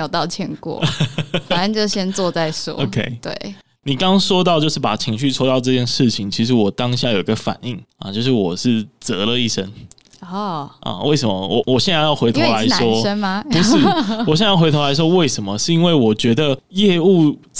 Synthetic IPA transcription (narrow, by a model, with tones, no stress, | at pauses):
jo˨˩ʊt̪ɑ˥˩ʊt͡ɕʰjɛ˧˦nkwɔ̰˥˩˦fa˨˩ə˥˧nt͡ɕo˥˩ɕjɛ˥nt͡swɔ˥˧t͡sa˥˨ɪʂɔ̰˥˦o˧ʊkʰe˥ɪt̪wḛ˥˩ɪ | ni˨˩kɑ˥ŋʂwɔ˥t̪ɑ˥˧ʊt͡ɕjo˥˧ʊʂɻ̩˥˩pa˨˩t͡ɕʰi˧˥ŋɕy˥˩t͡sʰo˥ʊt̪ɑ˥˧ʊʈ͡ʂɤ˥˧t͡ɕjɛ˥˧nʂɻ̩˥˩t͡ɕʰi˨˩ŋt͡ɕʰi˧˥ʂɻ̩˧˥wɔ˨˩t̪ɑ˦˥ŋɕja˥˨jo˨˩i˧˥ɡə˧fa̰˨˩ni˥˩ŋɐ̰˨˩t͡ɕjo˥˧ʊʂɻ̩˥˩wɔ˨˩ʂɻ̩˥˩t͡sɤ˧˥lə˧i˥˩ʂə˥ŋ | ɔ˥˩ʔwe˥˩ɪʂə˧˦mə̰˦wɔ˨˩wɔ˨˩ɕjɛ˥˧n˧˥˦jɑ˥˩ʊxe˧˥ɪt̪ʰo˧˦la˧˦ɪʂwɔ˥ə˥nma˧pu˧˥˦ʂ̩˥˩wɕjjxe˧˥ɪo˧˥la˧ɪʂ̬wɔ˥we˥˩ɪʂə˧˥nmə˦ʂɻ̩˥˧i˥nwe˥˩ɪwɔ˨˩t͡ɕɥɛ˧˥d̪ə˨jɛ˥˧u˥˧